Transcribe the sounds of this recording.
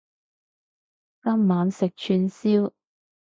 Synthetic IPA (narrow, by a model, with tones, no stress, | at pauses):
ka˥mmaː˨˧nsɪ˨k̚t͡ʃʰyː˧nsiː˥w